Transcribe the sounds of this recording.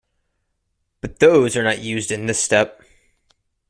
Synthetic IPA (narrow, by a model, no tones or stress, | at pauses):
b̥ʌt̪̚ðoʊzə˞nəʔjʉzdɨ̃nðɪstɛp̚